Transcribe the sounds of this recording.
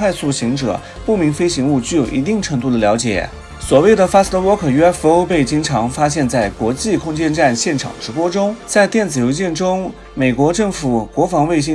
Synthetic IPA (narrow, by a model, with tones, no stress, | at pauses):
wa˥˧ɪsu˥˩ɕi˧˥ŋʈ͡ʂɤ̰˨˩˦ | pu˥˩mi˧˥ŋfe˥ɪɕi˧˥ŋu˥˧t͡ɕy˥˩jo˨˩ʊʔḭ˧˥t̪i˥˩ŋʈ͡ʂʰɤ˧˥ŋt̪u˥˩d̪ə˩ljɑ˧˥ʊt͡ɕjɛ̰˨˩˦ | swɔ˨˩we˥˩ɪd̪ə˩fa˥s̩˥t̪ɔ˧˥wɔ˥kʰɤ˨˩y˥a˥fu˧˥o˥ʊpe˥˩ɪt͡ɕi˥ŋʈ͡ʂʰɑ˧˥ŋfa˥ɕjɛ˥˧nt͡sa˥˩ɪkwɔ˧˥t͡ɕi˥˩kʰʊ˥ŋt͡ɕjɛ˥˧nʈ͡ʂa˥˧nɕjɛ˥˩nʈ͡ʂʰɑ̰˨˩ŋʈ͡ʂɻ̩˧˥pwɔ˥ʈ͡ʂʊ˥ŋt͡sa˥˧ɪt̪jɛ˥˩nt͡sɹ̩˨˩jo˧˥t͡ɕjɛ˥˩nʈ͡ʂʊ˥ŋ | me˨˩ɪkwɔ˧˥ʈ͡ʂɤ˥˩ŋfu˨˩˦kwɔ˧˥fɑ˧˥ŋwe˥˩ɪɕ̬i˥